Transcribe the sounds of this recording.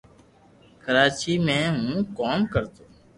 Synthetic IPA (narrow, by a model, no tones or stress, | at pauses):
kəɾaːt͡ʃiːmẽːɦũːkoːmkəɾt̪oː